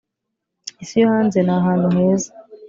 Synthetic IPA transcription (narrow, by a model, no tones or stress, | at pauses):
isijohaːnze̞naɦaːn̤une̞ːzḁ